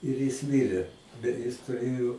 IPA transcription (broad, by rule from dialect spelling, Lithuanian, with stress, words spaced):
ɪr jɪs ˈmʲɪrʲeː bʲɛt ˈjɪs tʊˈrʲeːjoː